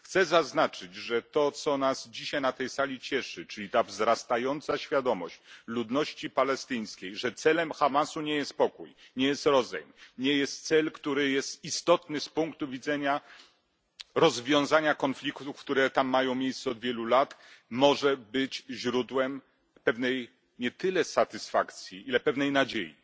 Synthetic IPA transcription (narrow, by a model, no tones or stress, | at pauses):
xt̪sɛzaznat͡ʂɘd͡ʑʐɛt̪ɔt̪sɔnazd͡ʑiɕajnat̪ɛjsalʲit͡ɕɛʂɘt͡ʂɘlʲit̪avzɾast̪ajɔnt̪saɕfʲjad̪ɔmɔ̰ɕt͡ɕlud̪nɔɕt͡ɕipalɛst̪ɘj̃skʲejʐɛt̪sɛlɛmxamasuɲɛjɛst̪̚pɔkuj | ɲɛjɛst̪ɾɔzɛ̰jmɲɛjɛst̪̚t̪sɛlkt̪uɾɘjɛst̪ist̪ɔt̪nɘspuŋkt̪uvʲid̪zɛɲa | ɾɔzvʲjɔ̃w̃zaɲakɔnflʲikt̪ufkt̪uɾɛt̪amːajɔ̃w̃mʲjejst̪sɛɔd̪vʲjɛlulat̪mɔʐɛbɘt͡ɕʑɾud̪wɛm | pɛvnɛj | ɲɛt̪ɘlɛsat̪ɘsfakt̪sʲjiilɛpɛvnɛjnad͡ʑejḭ